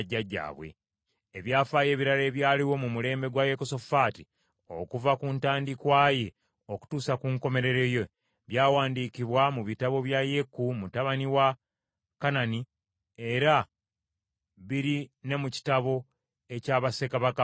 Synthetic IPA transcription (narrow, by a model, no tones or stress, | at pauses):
ɟːaɟːa̰ːβwe̞̰ | eβjaːfaːje̞ːβiɾale̞ːβjaːliwo̞mumule̞ːmbe̞ɡwaje̞koso̞faːti | o̞kuvakuntaːndikwaːje̞ | o̞ku̥tuːsakuːŋko̞me̞ɾe̞ɾe̞jo | βjaːwaːndiːkiβwamuβitaβo̞βjaje̞kːumutaβaniwa | kanani | e̞ɾa | βiɾine̞muci̥taβo̞ | e̞caːβase̞kaβaka